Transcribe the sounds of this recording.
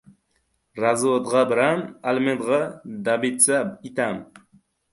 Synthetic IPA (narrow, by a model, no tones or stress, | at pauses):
ɾazod̪ʁɑbɪɾamalmed̪ʁɑd̪abit͡sabit̪am